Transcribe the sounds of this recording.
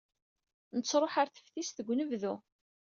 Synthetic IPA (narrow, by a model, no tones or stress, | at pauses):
nət͡sːɾˤoħaɾθə̥fθisθəɡʷːnəvðu